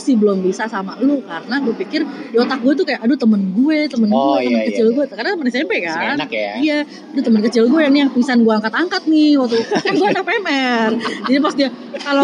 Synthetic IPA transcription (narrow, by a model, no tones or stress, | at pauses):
sihbəlɔmbisasamalukarənaɡuepikɪrdiot̪ak̚ɡuet̪̬ukajaʔadut̪əmənɡuet̪əmənɡuet̪əmənkət͡ʃɪlɡuekaɾənat̪əmənsapɛkanija | adut̪əmənkət͡ʃɪlɡuejaŋnijaŋpisanɡuaaŋkat̪aŋkat̪̚nɪhwak̚t̪uanɡuanapemɛrd͡ʒadipast̪ia | kalo